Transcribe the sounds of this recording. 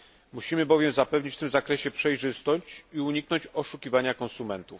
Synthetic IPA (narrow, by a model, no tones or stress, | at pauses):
muɕimɘbɔvʲjɛmzapɛvɲit͡ɕft̪ɘmzakɾɛɕɛpʂɛjʐɘst̪ɔɕt͡ɕiuɲiknɔɲt͡ɕɔʂukʲivaɲakɔ̃nsumɛnt̪uf